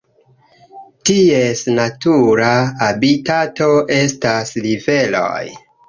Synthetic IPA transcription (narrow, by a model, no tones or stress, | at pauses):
tiesnatuɾaːbitato̞ʔe̞staslive̞lo̰j